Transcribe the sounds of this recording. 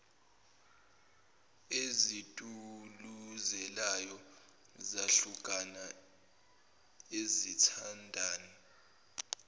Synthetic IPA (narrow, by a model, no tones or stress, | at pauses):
ezitʼuluzɛlajɔ | zaɬukʼana | ezitʰandʱaːni